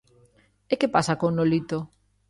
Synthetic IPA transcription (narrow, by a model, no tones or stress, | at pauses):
ekepasakonolit̪o